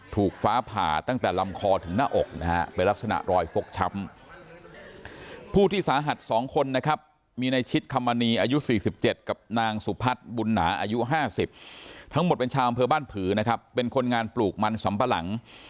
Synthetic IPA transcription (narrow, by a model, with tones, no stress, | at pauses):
t̪ʰuː˨˩k̚faː˦˥pʰa̰ː˨˩t̪a˥˩ŋt̪ɛː˨˩la˧mkʰɔː˧t̪ʰɯ˩˦ŋnaː˥˩ʔo˨˩k̚na˦˥ha̰˦˥pe˧nla˦˥k̚sa˧na̰˨˩ʔɾɔː˧jfo˨˩k̚t͡ɕʰa˦˥m | pʰuː˥˩t̪ʰiː˥˩saː˩˦ɦa˨˩t̪̚sɔː˩˦ŋkʰo˧nːa˦˥kʰa˦˥p̚ | miː˧na˧jt͡ɕʰi˦˥t̪̚kʰa˧mːa˧niː˧ʔaː˧ju˦˥siː˨˩si˨˩p̚t͡ɕe˨˩t̪̚ka˨˩p̚naː˧ŋsu˨˩˦pʰa˦˥t̪̚bu˧nːa̰ː˩˦ʔaː˧ju˦˥ɦaː˥˩si˨˩p̚t̪ʰa˦˥ŋmo˨˩t̪̚pe˧nt͡ɕʰaː˧wʔa˧mpʰɤː˧baː˥˩npʰɯː˩˦na˦˥kʰa˦˥pːe˧nkʰo˧nŋaː˧npluː˨˩k̚ma˧nsa˩˦mpa˧la̰˩˦ŋ